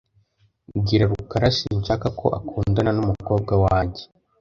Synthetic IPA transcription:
ɡiɾaɾukaɾaʃiɲʃakakʰo̞̰ʔakuːndananumuko̞ːb̚ɡawaːɲɟe

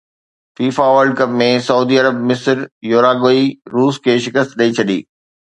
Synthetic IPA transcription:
fiːfaʋəlɖkɐpmẽsɐuːd̪iɐɾəb̚mɪsɾjoːɾaːɡoːiɾuːskʰeːʃɪkəst̪ɗɐit͡ɕʰɐɗḭː

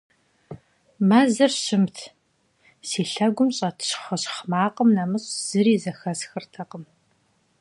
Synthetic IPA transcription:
maːzɐrɕɪmtʰ | siːɬɐɡʷʊmɕʼɐtʰɕχɐɕχmaːqʼəmnamɨɕʼz̥ɨɾiːzɐxɐsxɨrtʰɐqəm

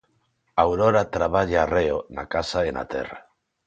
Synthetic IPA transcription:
awɾoɾat̪ɾaβ̞aʎaːreona̰kasaena̰t̪ɛ̰ra

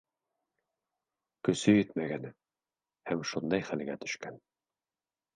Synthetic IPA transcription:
kɵ̆sɵjɵt̪mæɡæn | hæmʃund̪ɑjχælɡæt̪ɵ̥̆ʃkæn

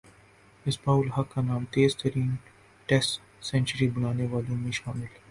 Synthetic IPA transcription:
ɪsbaːʊlɦɐkːanaːmt̪eːzt̪ɐɾiːn | ʈɛsʈ | sɛ̃ːnt͡ʃəɾibɐnaːneʋaːlõmẽʃaːmɪl

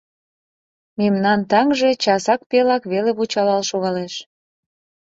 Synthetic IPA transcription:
memnɑnt̪ɑŋʒe̽t͡ɕɑsɑk̚pelɑkβeleβut͡ɕɑlɑlʃoɣɑleʃ

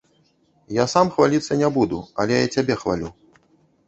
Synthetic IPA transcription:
jasamxvalʲit̪sːɐnʲɛbud̪uɐ̰lʲɛjat͡sʲabʲɛxvalʲu

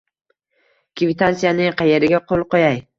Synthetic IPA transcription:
kʲʰvit̪ʰansijanɪŋqʰɑjeɾɪɡʲaqʰolˠqojaj

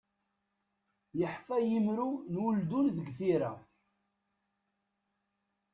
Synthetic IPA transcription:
jəħfæjimɾunwʊld̪unðəɡθiɾæ

